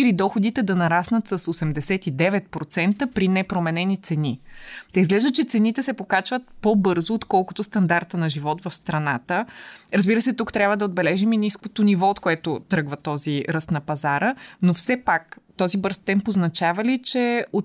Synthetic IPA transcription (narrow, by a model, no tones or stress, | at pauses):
ilid̪ɔxod̪it̪ɛd̪ɐnɐɾasnət̪sɐsosɛmd̪ɛsɛt̪id̪ɛvɛt̪̚pɾot̪sɛnt̪əpɾinɛpɾomɛnɛnit̪sɛnit̪ɛizɡlɛʒd̪ət͡ʃɛt̪sɛnit̪ɛsɛpokat͡ʃvət̪̚pobɤɾzʊːt̪kɔlˠkʊt̪ʊst̪ɐnd̪aɾt̪ənɐʒivɔt̪vɐfst̪ɾɐnat̪əɾəzbiɾəsɛt̪ukt̪ɾʲjabvəd̪ɐod̪bɛlɛʒiminiskot̪ʊnivɔot̪koɛt̪ʊt̪ɾɤɡvət̪ɔziɾəst̪nɐpɐzaɾənofsɛpakt̪ɔzibɤɾst̪ɛmpoznɐt͡ʃavɐlit͡ʃɛo